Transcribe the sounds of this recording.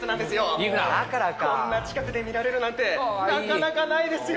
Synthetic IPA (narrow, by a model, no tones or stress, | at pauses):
ɯnãnd̪e̞sɨjomiɯɾad̪a̰kaɾakaonːat͡ɕi̥kakɯ̟d̪e̞mʲiɾaɾe̞ɾɯnãnt̪e̞nakanakanaid̪e̞sɨj